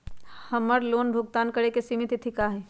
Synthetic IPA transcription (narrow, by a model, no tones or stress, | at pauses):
hɐməɾloːnbʱʊɡ̚t̪aːnkəɽekesimɪt̪it̪ʰikaɦɛː